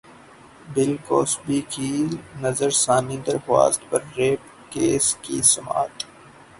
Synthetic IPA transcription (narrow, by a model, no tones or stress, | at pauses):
bɪlkoːsbiːkinɐzəɾsaːnĩːd̪əɾxwa̰ːst̪pɐɾːeːp | keːskḭsʊma̰ːt̪